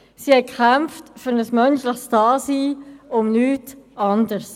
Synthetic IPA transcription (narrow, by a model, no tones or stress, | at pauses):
sihɛkχamftfʏɾnəsmœnʃləχstɑːsiːʊmnyːtɑndəɾs